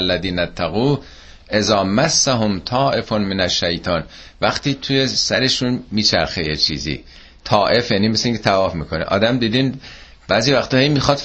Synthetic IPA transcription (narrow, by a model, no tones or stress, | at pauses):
lːæðiːnæt̪ʰːæɣuː | ʔe̞zɒːmæsːæɦomt̪ʰɒːʔe̞fonmenæʃːæjt̪ʰɒːn | væxt̪iːt̪ʰuje̞sæɾe̞ʃunmiːt͡ʃʰæ̰ɾxejet͡ʃʰḭːzḭː | t̪ʰɒːʔe̞fjæːniːmeseiŋcʰet̪ʰævɒːfmiːkʰo̞nḛʔɒ̰ːd̪æmd̪iːd̪iːn | b̥æːziːvæxt̪ɒːhejmiːxɒːd̪